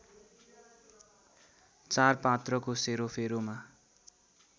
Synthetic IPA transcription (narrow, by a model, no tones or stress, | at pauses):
t͡sarpat̪rʌkoseɾopʰeɾoma